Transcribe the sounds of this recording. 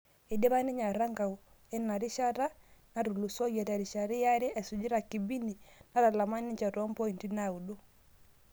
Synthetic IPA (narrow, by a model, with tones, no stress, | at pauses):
i˨de˦βa˦ni˦ɲa˨ɾa˦ŋɡa˨u˨ | ɛ˦na˨ɾi˦ʃa˦ɾa˦na˨ɾu˨lu˨sɔ˦ɡa˨ta˨ɾi˨ʃa˨ɾi˦ja˦ɾi˦ʔɛ˨su˨d͡ʒi˦ɾa˨ki˨bi˦ni˨na˦ɾa˨la˨ma˦ni˦ɲt͡ʃa˨ɾɔ˦m˦pɔ˦i˨nti˦na˦˨u˨do˦